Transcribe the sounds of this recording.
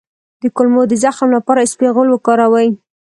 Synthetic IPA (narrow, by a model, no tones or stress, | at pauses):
d̪əkʊlmod̪əzaxmlapɑɾaɪspeɣəlwəkɑɾawəj